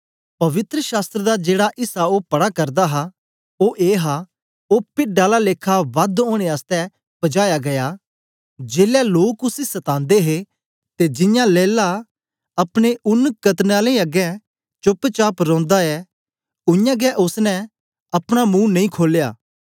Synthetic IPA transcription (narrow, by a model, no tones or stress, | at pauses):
pɐʋɪt̪ɾəʃaːst̪ɾəd̪ad͡ʒeːɽaʔɪsaoːpɐɽakɐɾd̪aɦa | oːʔeːɦa | oːpɪɖaːlaleːkʰːaʋɐd̪õːɽ̃eaːst̪ɛ | b̥ɐd͡ʒaːjaɡɐja | d͡ʒeːljaloːkʊsisɐt̪ãːnd̪eɦe | t̪ed͡ʒɪ̃jãleːla | ɐpɽ̃eʊnkɐt̪naːlẽiɐɡɛ̃ | t͡ʃʊpːt͡ʃaːpɾɔ̃ːnd̪aɛ | ʊjãɡɛʔʊsnɛ | ɐpɽ̃amũːnɐ̃ĩːkʰoːljaː